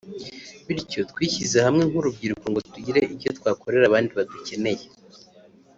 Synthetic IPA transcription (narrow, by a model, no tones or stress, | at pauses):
βiɾco̞t̪kwiːçizehamŋe̞ŋhuɾub̚ɡiːɾuko̞ŋɡo̞tuɟiɾe̞iɾɟo̞t̪kwaːko̞ɾe̞ɾaβaːndiβaduce̞ne̞je̞